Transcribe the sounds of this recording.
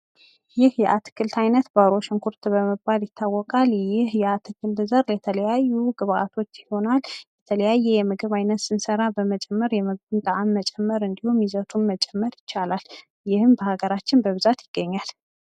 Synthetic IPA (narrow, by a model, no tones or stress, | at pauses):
jɪhjɛʔat̪ʰɨ̥kːɨlt̪ʰajnət̪baɾo̞ʃɪŋkʰuɾt̪ʰbəməbaljɪt̪ʰːawːɔkʼaljɪhjɛat̪ʰɨkːɨlt̪zəɾjɛt̪ʰələjajːuɡɨβʔa̰t̪ʰo̞t͡ʃːjiho̞naljɛt̪ʰələjajːɛjɛmɨɡɨβajnət̪sɨnsəɾabəmət͡ʃʼɛmːəɾjɛmɨɡbɨnt̪ʼəʔamːət͡ʃʼɛmːəɾɨnd̪ihumjizət̪ʰunmət͡ʃʼɛmːəɾjɪt͡ʃːalal | jɪhɨmbəhaɡəɾat͡ʃːɪnbəβɨzat̪jɪɡ̥ːəɲːal